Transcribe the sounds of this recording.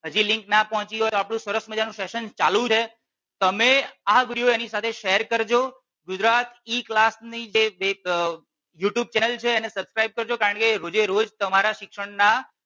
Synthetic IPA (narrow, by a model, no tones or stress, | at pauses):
ɦəd͡ʒilɪ̃ŋknapɔɦɔ̃t͡ʃiɦot̪oapɽ̃ũsəɾəsməd͡ʒanũseʃənt͡ʃalũt͡ʃʰe | t̪əmeaɡɾioenisat̪ʰeʃeəɾkəɾd͡ʒo | ɡʊd͡ʒɾat̪iklasnid͡ʒeʋe | juʈjub̚t͡ʃɛnəlt͡ʃʰeːnesəbskɾaib̚kəɾd͡ʒokaɾəɳkeɾod͡ʒeɾod͡ʒt̪əmaɾaʃɪkʂəɽna